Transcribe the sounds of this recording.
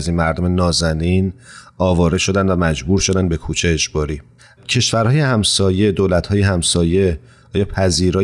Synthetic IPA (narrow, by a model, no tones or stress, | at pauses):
zinmæɾd̪ome̞nɒːzæniːnɒːvɒːɾe̞ʃo̞d̪ænd̪væmæd͡ʒbuːɾʃo̞d̪ænd̪be̞kʰuːt͡ʃʰeːd͡ʒbɒːɾiː | cʰe̞ʃvæɾhɒːjehæmsɒːje̞d̪oːlæt̪hɒːjehæmsɒːje̞ | ɒːjɒːpʰæziːɾɒː